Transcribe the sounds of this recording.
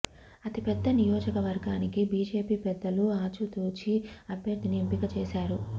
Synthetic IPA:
ɐt̪ipɛd̪ːɐnijɔːd͡ʒɐkɐʋɐɾɡaːnikibiːd͡ʒe̞ːpiːpɛd̪ːɐluaːt͡ʃut̪uːt͡ʃiɐbʱjɐɾd̪ʱiniempikɐt͡ʃɛːsaːɾu

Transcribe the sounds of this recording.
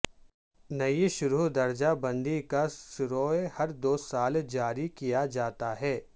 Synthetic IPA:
nɐiʃʊɾud̪ɐɾd͡ʒabɐ̃nd̪ikasɪɾoːehɐɾd̪oːsaːld͡ʒaːɾikijad͡ʒaːt̪aɦɛː

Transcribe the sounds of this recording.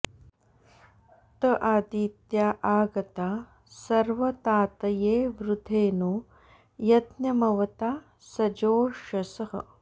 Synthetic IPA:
t̪ɐʔaːd̪iːt̪jaːʔaːɡɐt̪aː | sɐɾʋɐt̪aːt̪ɐjeːʋɾud̪ʱeːnoː | jɐt̪njɐmɐʋɐt̪aː | sɐd͡ʒoːʃɐsɐɦɐ̰

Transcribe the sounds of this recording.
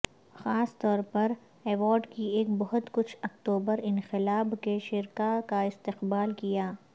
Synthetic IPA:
xaːst̪ɔːɾpɐɾ | ɛːʋɔːɾɖkieːk̚bɔɦʊt̪kʊt͡ʃʰɐkt̪uːbəɾɪnxɪlaːbkeʃɪɾkakaɪst̪ɪqbaːlkijaː

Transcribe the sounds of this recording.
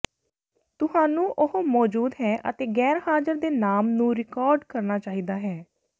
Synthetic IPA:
t̪ʊhaːnũːʔʊɦmɔːd͡ʒuːd̪ɦɛːʔə̰t̪eːɡɛːɾɦaːd͡ʒəɾd̪eːnaːmnũːɾɪkɔːɾɖkəɾnaːt͡ʃaːɦiːd̪aːɦɛː

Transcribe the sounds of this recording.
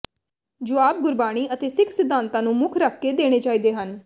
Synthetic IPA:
d͡ʒʊaːp̚ɡʊɾbaːɽ̃iːʔət̪eːsɪkʰsɪd̪ːãːnt̪ãːnũːmʊkʰɾəkʰːeːd̪eːɽ̃eːt͡ʃaːiːd̪eːɦən

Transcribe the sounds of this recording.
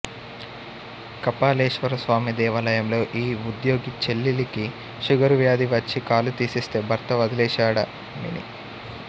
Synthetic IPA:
kɐpaːleːʂʋɐɾɐsʋaːmid̪ɛːʋɐlɐjɐmlo̞ːʔiːud̪jo̞ːɡit͡ʃelːiliki | ʃuɡɐɾuʋjaːd̪iʋɐt͡ʃːikaːlut̪iːsist̪e̞ːbʱɐɾt̪ɐʋɐd̪ilɛːʃaːɽɐ̰ | mḭnḭ

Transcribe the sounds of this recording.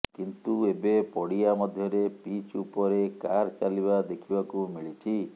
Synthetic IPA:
kint̪uebepɔɽijamɔd̪ʱjɔɾepit͡ʃupɔɾekaɾt͡ʃalibad̪ekʰibakumiɭit͡ʃʰi

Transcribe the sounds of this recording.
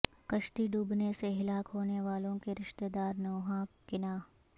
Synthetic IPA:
kɐʃt̪iɖuːbneseɦɪlaːkɦoːneʋaːlõkeɾɪʃt̪ed̪aːɾnɐːɦãkɪnaː

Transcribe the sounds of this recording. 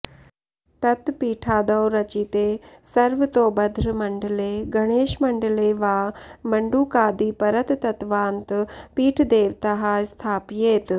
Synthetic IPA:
t̪ɐt̪piːʈʰaːd̪əwɾɐt͡ɕit̪eːsɐɾʋət̪obɐd̪ʱɾəmɐɳɖleɡɐɽ̃eːʃmɐɳɖleːʋaːmɐɳɖuːkaːd̪iːpɐɾət̪ːɐt̪ʋaːnt̪piːʈʰd̪eːʋt̪ɐɦaːst̪ʰaːpjeːt̪

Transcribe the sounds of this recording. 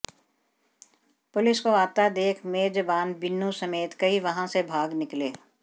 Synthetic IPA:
pʊlɪskoaːt̪ad̪eːkʰmeːd͡ʒəbaːnbɪnːũsɐmeːt̪kɐiʋɐɦãsebʱaːɡnɪkleː

